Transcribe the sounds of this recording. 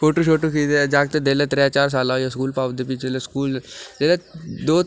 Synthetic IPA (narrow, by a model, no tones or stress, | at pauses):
foʈuɕoʈukid̪ed͡ʒaɡt̪ed̪elat̪ɾjat͡ʃaːɾs̬alajaskuːlpaʋd̪epit͡ʃeleskuːld͡ʒ̪elad̪o